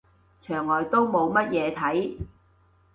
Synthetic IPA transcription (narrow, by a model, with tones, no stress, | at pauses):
t͡ʃʰœː˨˩ŋɔː˨˩jt̪o˥wmo˨˧wmɐ˥t̚jɛː˨˧t̪ʰɐ˨˥j